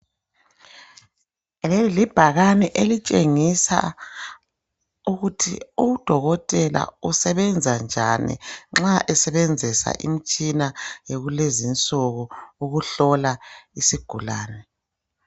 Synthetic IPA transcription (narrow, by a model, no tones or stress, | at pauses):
lɛlib̥ʱaɣanɛʔelit͡ʃʼeŋisa̰ | uɣutʰḭud̥ʱɔɣɔtʼɛla̰usɛβɛnd͡zʱand͡ʒʱanḭŋ͡ǁaʔɛsɛβɛnd͡zʱisa̰ʔḭm̩t͡ʃʼinajeɣulezint͡sʼɔɣɔuɣuɬɔlaisiɡ̥ʱulaːnɛ